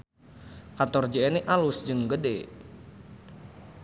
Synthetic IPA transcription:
kant̪ɔrd͡ʒeeniʔalʊsd͡ʒɨŋɡədḛ

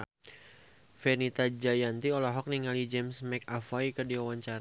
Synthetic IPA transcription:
fɛnit̪ad͡ʒajant̪iɔlɔɦɔk̚niŋalid͡ʒɛmsmɛk̚afaikərdiwawaɲt͡ʃaɾ

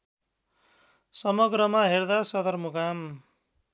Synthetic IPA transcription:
sʌmʌɡɾʌmaɦerd̪asʌd̪ʌrmukam

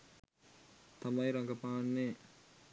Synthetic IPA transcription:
t̪amɐjɾaŋɡɐpaːnːe

